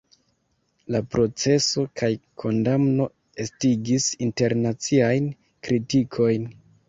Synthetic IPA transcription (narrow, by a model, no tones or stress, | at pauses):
lapɾo̞t͡se̞so̞kʰajkʰo̞ndamno̞ | e̞stiɡisinte̞ɾnat͡siajn | kɾitikʰo̞jn